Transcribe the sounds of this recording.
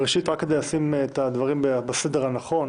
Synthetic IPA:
ʁeʃit̪ʁakːe̞d̪ejasimet̪ad̪vaʁimbbased̪e̞ʁhanaχo̞n

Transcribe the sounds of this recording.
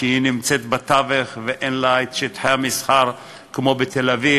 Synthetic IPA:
ʃəinimt͡set̪bat̪aveχveʔenlaet̪ʃet̪ħajamisħaʁ | kmobet̪ʰelavi

